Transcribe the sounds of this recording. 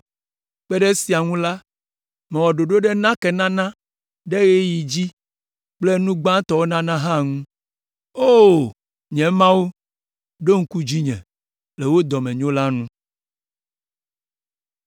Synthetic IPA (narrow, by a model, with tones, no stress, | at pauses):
k͡pɛ˦ɖe˦si˨a˨ŋũ˦la˦ | mɛ˨wɔ˨ɖo˨ɖo˦ɖe˦nã˦ke˨nã˦nã˦ | ɖe˦ɣe˦ji˨d͡ʑi˦ | k͡ple˦nũ˦ɡ͡bã˦t̪ɔ˦wo˦nã˦nã˦ɦã˦˨ŋũ˦ | o˦˨ | ɲɛ̃˨mã˦wo˦ | ɖo˦ŋ̩˦ku˦d͡ʑi˦ɲɛ̰̃˨ | le˨wo˦d̪ɔ˨mɛ̃˨ɲõ˦la˦nũ˦